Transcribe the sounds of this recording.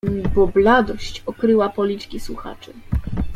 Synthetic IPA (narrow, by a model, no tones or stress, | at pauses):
bɔblad̪ɔɕt͡ɕɔkɾɘwapɔlʲit͡ʂkʲiswuxa̰t͡ʂɘ